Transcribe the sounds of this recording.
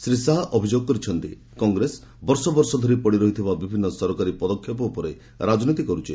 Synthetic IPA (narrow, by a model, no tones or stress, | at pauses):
sɾisaɦaʔɔbʱid͡ʒoɡɔkɔɾit͡ʃʰɔnt̪i | kɔŋɡɾes | bɔɾsɔbɔɾsɔd̪ʱɔɾipɔɽiɾɔɦit̪ʰibabibʱinːɔsɔɾɔkaɾipɔd̪ɔkʰjɔpɔupɔɾe | ɾad͡ʒɔnit̪ikɔɾut͡ʃʰi